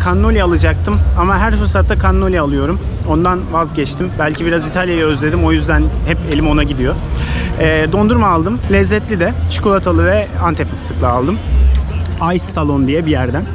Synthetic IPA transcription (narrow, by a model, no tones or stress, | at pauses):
kʰanːo̞lʲiaalˠɯd͡ʒak̚t̪ʰɯmamaɦæɾfɯɾsat̪ːakʰanːo̞lʲiːlˠɯjo̞ɾum | o̞nd̪anvazɟɛt͡ʃt̪ʰimbælʲcibiɾazit̪ʰalʲjajø̞zlʲe̞d̪imo̞jyzd̪ænhɛpe̞lʲimo̞naɟid̪ijo̞ | ɛːd̪o̞nd̪uɾmaːlˠd̪ɯmlʲɛzːɛt̪lʲid̪ɛʃu̥kolˠat̪ʰalˠɯvɛant̪ʰepi̥st̪ʰɯklˠaalˠd̪ɯm | ajsːalˠo̞nd̪ijɛbijæɾd̪æn